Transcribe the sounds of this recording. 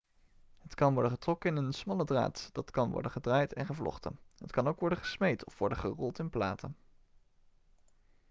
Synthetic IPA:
ɦətkɑnʋɔɹdəχətrɔkəɪnənsmɑlədra̰ːtd̥ɑtkɑnʋɔ̰ɹdənχədraːjtɛ̰nχəvlɔ̰χtə̰nɦətkɑnowkʋɔɹdəχəsmejtɔfʋɔɹdəχərɔlˠtɪnpla̰ːtʰə̰n

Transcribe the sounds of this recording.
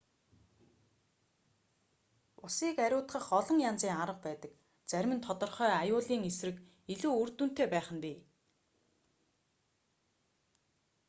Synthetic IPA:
ʊsiːkæɾʲʊːt̪χə̆χɔɮɞ̆ŋjant͡siːŋaɾə̆q̚pæːt̪ə̆k | t͡sæɾʲmɘ̆nt̪ʰɔt̪ɞ̆rχœːajʊːɮiːŋesrɘ̆k | iɮuːɵrt̪ŭn̥t̪ʰeːpæːχə̆mpiː

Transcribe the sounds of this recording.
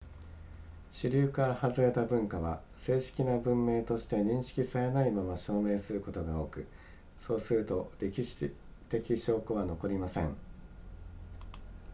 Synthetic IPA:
ɕɨɾʲɨːkaɾahazɨɾe̞t̪abɯ̟̃ŋkaβa̰ | se̞ːɕi̥kʲinabɯ̟̃mːe̞ːt̪o̞ɕi̥t̪e̞ɲ̟ĩɰ̃ɕi̥kʲisaɾe̞naimamaɕo̞ːme̞ːsɨɾɯ̟ko̞t̪o̞ɡao̞ːkɯ̟ | so̞ːsɨɾɯ̟t̪o̞ɾʲe̞kʲiɕi̥ | t̪e̞kʲiɕo̞ːkɯβano̞ko̞ɾʲimasẽ̞̰ŋ

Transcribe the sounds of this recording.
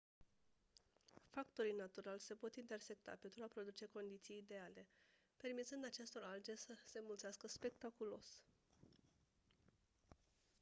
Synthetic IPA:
fakt̪o̞ɾijnat̪uɾalʲse̞po̞t̪int̪e̞rse̞k̚t̪a̰pe̞nt̪ɾuapɾo̞d̪ut͡ʃe̞ko̞nd̪it̪sijːd̪e̞ale̞ | pe̞rmit̪sɨnd̪at͡ʃe̞st̪o̞ɾald͡ʒe̞səse̞mult̪seaskəspe̞k̚t̪akulo̞s

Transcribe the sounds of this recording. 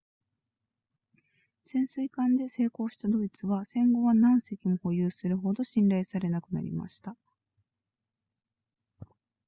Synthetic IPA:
sẽ̞ɰ̃sɨikãnd̪e̞se̞ːko̞ːɕi̥t̪ad̪o̞it͡sɨβasẽ̞ŋɡo̞βanãɰ̃se̞kʲimo̞ho̞jɯːsɨɾɯ̟ɦo̞d̪o̞ɕĩnɾaisaɾe̞nakɯ̟na̰ɾʲḭma̰ɕi̥t̪a

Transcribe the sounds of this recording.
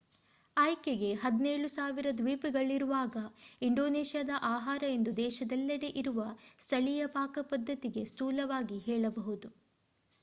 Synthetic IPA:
ɐjkeɡe̞ɦɐd̪neːɭusaːʋiɾɐd̪ʋiːpiɡɐɭiɾuʋaːɡɐiɳɖo̞ːneːʃjaːd̪ɐʔaːɦaːɾɐe̞nd̪ud̪ɛːʃɐd̪ɐlːɐɽeʔiɾuʋɐst̪ʰɐɭijɐpaːkɐpɐd̪ʱːɐt̪iɡe̞st̪uːlɐʋaːɡiɦɛːɭɐbɐɦud̪u

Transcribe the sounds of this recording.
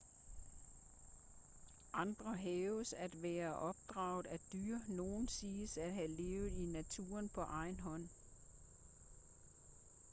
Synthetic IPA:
ʔɑ̈nd̥ʁɐɦɛːʊəsæd̥ʋæːɐʔɒ̽b̥̚d̥ʁɑ̈ːʊð̩ˠæd̥yɐ̰no̝ːn̩siːsæ̥ɦæle̝ːʊð̩ˠinæt͡sʰṵːɐnpʰɒ̽ʔɑ̈ɪnɦɒ̽n̰

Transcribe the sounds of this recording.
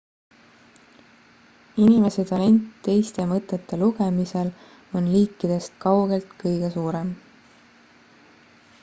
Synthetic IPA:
inime̞set̪ɑle̞nʲt̪ːe̞jst̪e̞mɤt̪ːˑe̞t̪ːe̞luɡe̞mise̞l | o̞nliːkːˑid̪̥e̞st̪̚kɑwɡ̥e̞lt̪kɤjɡ̥e̞suːɾe̞m

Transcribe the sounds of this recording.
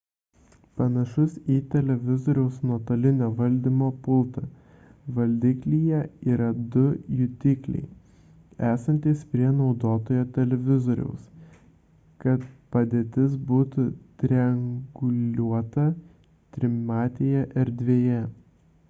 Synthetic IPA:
pɐnɐʃʊsiːt̪ʲɛlʲɛʋʲɪzoːɾʲɛʊsnuɔt̪ɐlʲɪnʲoːʋɐlʲd̪ʲimoːpʊlˠt̪ɐ | ʋɐlʲd̪ʲiːklʲiːjɛiːɾɐd̪ʊjʊt̪ʲɪklʲɛ̰ɪ | æːsɐnʲt̪ʲiːspʲɾʲiɛnɒʊd̪oːt̪oːjoːt̪ʲɛlʲɛʋʲɪzoːɾʲɛ̰ʊs | kɐt̪pɐd̪ʲeːt̪ʲɪs̬buːt̪ʊt̪ʲɾʲɛŋɡʊlʲuɔt̪ɐ | t̪ʲɾʲɪmɑːt̪ʲejɛʔɛɾd̪ʲʋʲeːjɛ

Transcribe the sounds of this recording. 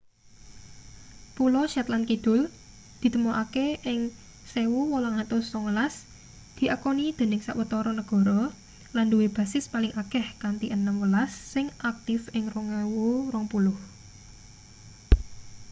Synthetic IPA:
pulɔʃat̪lankid̪̥ʊ̤l | d̪̥i̤t̪əmoʔakeʔɪŋ | sewuwɔlɔŋat̪ʊsɔŋwəlas | d̪̥i̤ʔakɔnid̪̥e̤nɪŋsa̰ʔwət̪ɔɾɔnəɡ̥ɔ̤ɾɔ | landuweb̥a̤sɪspalɪŋʔakɛhkant̪iʔənəmwəlasːɪŋʔak̚t̪ɪfɪŋrɔŋewurɔŋpulʊh

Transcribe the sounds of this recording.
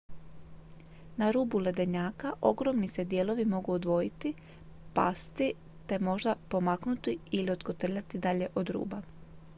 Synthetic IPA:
naɾuːbule̞d̪eɲaːkaʔo̞ɡɾo̞mnise̞d̪je̞ːlo̞ʋimo̞ɡuod̪ʋo̞jit̪i | pa̰st̪i | t̪e̞mo̞ʒd̪apo̞maknut̪iilio̞d̪ɡot̪r̩ʎat̪id̪aʎe̞ʔo̞d̪ɾṵːba

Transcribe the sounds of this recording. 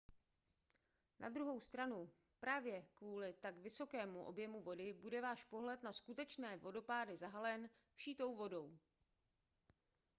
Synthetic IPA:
nʔa̰d̪ɾuɦo̞wst̪ɾanu | pɾaːvjɛkvuːlɪt̪akvɪso̞kɛːmuʔo̞̰bjɛmuvo̞dɪbudɛvaːʃpo̞ɦlɛt̪naskut̪ɛt͡ʃnɛːvo̞do̞paːdɪzaɦalɛn | fʃiːt̪o̞wvo̞do̞w

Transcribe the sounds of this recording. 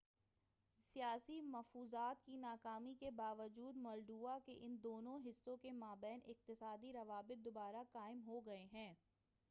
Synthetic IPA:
sijaːsimɐfuːzaːt̪kinaːkaːmikebaːʋəd͡ʒuːd̪mɔːlɖuːakeʔɪnd̪oːnõɦɪsːõkemaːbɛːnɪq̚t̪ɪsaːd̪iɾɐʋaːbɪt̪̚d̪obaːɾakaːɪmɦoɡɐeɦɛ̃ː

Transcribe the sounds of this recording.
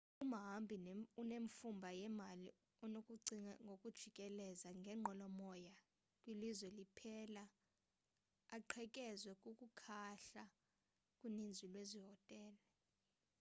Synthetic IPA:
umɦambʱinuneɱfumbʱajɛmali | ɔnokʼuǀiŋaŋɡʱokʼud̥ʒ̥ʱikʼɛlɛzaŋɡʱɛŋ͡ǃʱɔlɔmɔja | kʼwilizwɛlipʰɛːla | ǃʰɛkʼɛzwɛkʼukʼukʰaɬa | kʼunind͡zʱwilweziɦɔtʼɛːlɔ

